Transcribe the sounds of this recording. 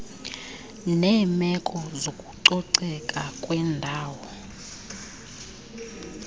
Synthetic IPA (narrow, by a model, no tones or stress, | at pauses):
nɛːmɛkʼɔzokʼuǀɔǀɛkʼakʼwɛndʱaːwɔ